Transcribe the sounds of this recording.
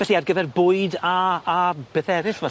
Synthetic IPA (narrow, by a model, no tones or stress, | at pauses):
ɛɬiarɡəvɛrbʊɨdaː | b̥eθɛɾɪθvɛ